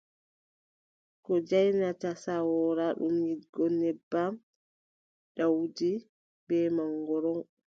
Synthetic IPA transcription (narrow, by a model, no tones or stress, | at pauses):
kɔd͡ʒajnatasawɔɾaɗṵmjiɡɔnɛbːam | ɗawdi | bɛmaŋɡɔɾɔn